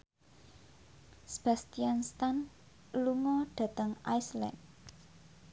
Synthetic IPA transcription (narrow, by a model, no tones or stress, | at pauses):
sb̥ast̪ianst̪an | lumɔɖ̥ä̤t̪əŋʔajsla̰n